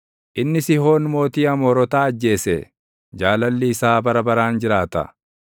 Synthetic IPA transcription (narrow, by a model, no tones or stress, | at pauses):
ʔɪnːɪsɪɦo̞ːnmo̞ːt̪iːɐmoːɾɔt̪aːd͡ʒːe̞ːsɛ | d͡ʒaːlɐlːɪːsaːbɐɾɐbɐɾaːnd͡ʒɪɾaːt̪ɐ̰